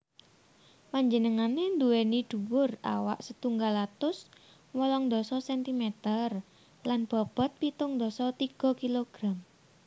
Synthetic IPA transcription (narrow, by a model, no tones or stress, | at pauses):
paɲd͡ʒənəŋanend̪uwenid̪̥uwʊra̰wa̰ʔsət̪uŋɡalat̪ʊs | wɔlɔŋd̪ɔsɔsɛnt̪imɛt̪ər | lanb̥ɔb̥ə̤t̪̚pit̪ʊŋd̪ɔsɔt̪iɡ̥ɔ̤kiloɡ̥ɾam